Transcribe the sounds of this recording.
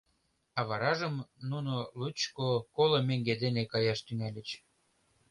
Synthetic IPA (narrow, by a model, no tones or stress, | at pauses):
ɑβɑɾɑʒə̆mnunolut͡ɕkokolomeŋɡed̪enekɑjɑʃt̪ynælʲə̆t͡ɕ